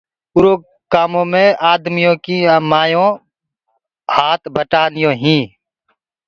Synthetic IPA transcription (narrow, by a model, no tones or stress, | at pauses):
ʊɾoː | kːaːmõːmẽːʔaːd̪mijõːkimaːjõː | haːt̪ʰbəʈaːnɪjõːɦĩː